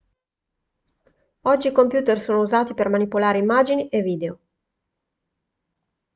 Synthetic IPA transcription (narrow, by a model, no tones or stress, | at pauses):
ɔd͡ʒːikompjuːt̪ersoːnouzaːt̪ipermanipolaːɾeimːaːd͡ʒiniʔevːiːd̪eo